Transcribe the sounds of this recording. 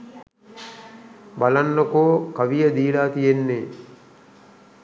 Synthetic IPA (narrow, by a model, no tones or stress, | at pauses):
balanːəkoːkaʋijəd̪iːlaːt̪ijenːeː